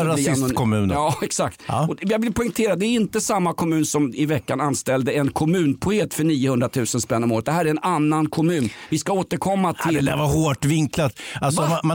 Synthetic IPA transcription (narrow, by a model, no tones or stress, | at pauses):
ɾaɪsnkʰɔmʉ̟ːnɑːɛksak̚t̪ːɔjɑɡvɪlpʰɔɪŋt̪ʰeːɾad̪d̪ɛɾɪnt̪əsamːakʰɔmʉ̟ːnsɔmɪvɛkːananst̪ɛld̪əɛnkʰɔmʉ̟ːnpʰʊeːt̪ːfœɳiːəhɵnd̪ɾat̪ʰʉ̟ːsənspɛnːɔmoːɾət̪d̪ɛɦæːɾæɾɛnanːankʰɔmʉ̟ːnvɪskaoːt̪əɾkʰɔmːat̪ʰɪlɛd̪æ̰ɾvaɾhoːʈvɪŋklat̪alsɔmama